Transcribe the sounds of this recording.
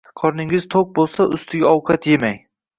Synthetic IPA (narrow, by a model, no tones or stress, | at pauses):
qʰɒɾnɪŋɪz̥t̪ʰok̚bolˠsaʔʊst̪ʰɪɡʲaɒwqʰɑt̪ʰje̞maj